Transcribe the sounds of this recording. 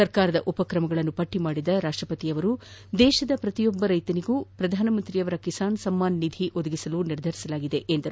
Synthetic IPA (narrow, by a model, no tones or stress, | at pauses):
ɐɾkaːɾɐd̪ɐʔupɐkɾɐmɐɡɐɭɐnːupɐʈːimaːɽid̪ɐɾaːʂʈɾɐpɐt̪ijɐʋɐɾu | d̪ɛːʃɐd̪ɐpɾɐt̪ijɔbːɐɾɐjt̪ɐniɡuːpɾɐd̪ʱaːnɐmɐnt̪ɾijɐʋɐɾɐkisaːnsɐmːaːnːid̪ʱiʔod̪ɐɡisɐluniɾd̪ʱɐɾisɐlaːɡid̪e̞ʔːnd̪ɐɾ